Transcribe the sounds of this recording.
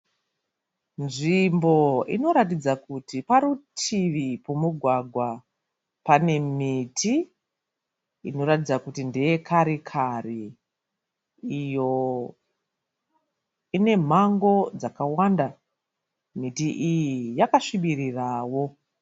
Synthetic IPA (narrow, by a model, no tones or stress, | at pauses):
nʐimbo̞ḭno̞ɾat̬id͡zakutipaɾutʰiʋipomuɡʱwaɡʱwa | pane̞miti | ḭno̞ɾatid͡zakutindejekʰaɾikʰari | jo̞ | ine̞m̤aŋɡo̞d͡zakawanda | mitiʔijijakaʂiɓiriraːwo̞